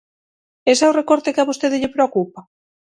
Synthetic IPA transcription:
esɛorekoɾt̪ɪkaβost̪eðɪʎɪpɾeokupa

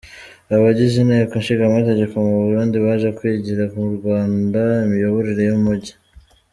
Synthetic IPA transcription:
aβaɟiʒineːkonʃiɡamate̞ɟe̞ko̞muβuɾuːndiβaʒekwiːɟiɾakumuɾɡwaːndaimijoβo̞ɾiɾe̞jumuɟi

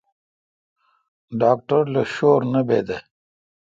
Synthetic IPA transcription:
ɖaːk̚ʈɐɾlɐɕoːɾnɐbeːd̪e

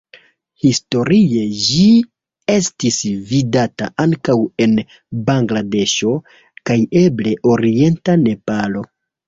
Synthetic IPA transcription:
histo̞ɾie̞d͡ʒi | e̞stisvidata̰ʔaŋkawe̞n | baŋɡlade̞ʃo̞ | kaje̞ble̞ʔo̞ɾie̞ntane̞palo̞

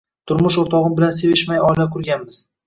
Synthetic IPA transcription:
t̪ʰʊɾmʊʃoɾt̪ʰɒʁɪmbɪlansevɪʃmajɒjlakʰʊɾɡʲanmɪz̥

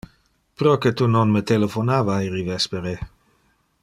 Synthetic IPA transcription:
pɾɔket̪unonmət̪elefonavaiɾivɛspeɾe

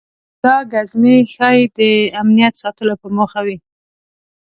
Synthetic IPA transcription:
d̪̥ɑɡazmexɑjd̪əamnijat̪sɑt̪əlopəməxawi

